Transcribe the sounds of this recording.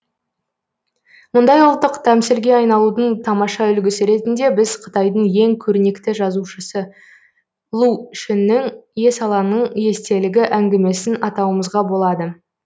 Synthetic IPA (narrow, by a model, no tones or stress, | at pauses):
mʊnd̪ɑjʊlˠt̪ːəqt̪ʰæmsɪlɡʲe̞ɑjnɑlˠud̪əɴt̪ʰɑmɑʃɑʏlɡʲɪsɪɾe̞t̪ɪnd̪e̞bɪzqʰə̥t̪ɑjd̪əɴje̞ŋkʲʰɵɾne̞kt̪ɪʒɑzuʃəsə | lˠuʏʃɪnːɪŋje̞sɑlˠɑnəɴje̞st̪e̞lɪɡʲɪʔæŋɡʲɪme̞sɪnɑt̪ɑwəməzʁɑbo̞lˠɑd̪ə